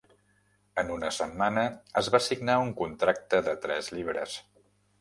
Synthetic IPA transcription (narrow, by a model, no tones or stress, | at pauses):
ənunəsəmːanəəzβasiɡnauŋkunt̪ɾak̚t̪əðət̪ɾɛzʎiβɾə̰s